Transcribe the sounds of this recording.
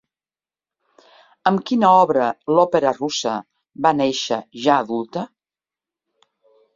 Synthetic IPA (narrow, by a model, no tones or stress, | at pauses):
əmkinəɔβɾəlɔpeɾərusə̰ | βaneʃə̰ʒaːðulˠt̪ə